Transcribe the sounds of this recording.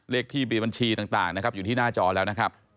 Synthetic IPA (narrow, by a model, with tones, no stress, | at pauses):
leː˥˩k̚t̪ʰiː˥˩mi˧˩ba˧nt͡ɕʰiː˧t̪aː˨˩ŋt̪a̰ː˨˩ŋna˦˥kʰp̚juː˨˩iː˥˩naː˥˩t͡ɕɔː˧lɛː˦˥wna˦˥kʰa˦˥p̚